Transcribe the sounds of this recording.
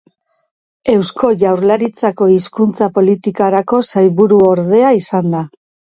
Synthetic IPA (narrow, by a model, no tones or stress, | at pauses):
e̞wsko̞ʝawɾlaɾit͡sako̞iskunt͡sapo̞lit̪ikaɾako̞sajβuɾuo̞ɾðe̞aisand̪a